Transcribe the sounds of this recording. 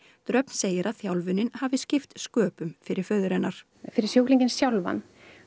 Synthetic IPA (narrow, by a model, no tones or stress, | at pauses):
t̪ɾœpn̥seːjɪɾaðθjawlvʏnːɪnhavɪscɪft̪skœːpʏmfɪɾɪɾ̥fœðʏɾɛnːaɾ̥ | fɪɾɪɾ̥sjowkliɲcɪnsjawlva̰n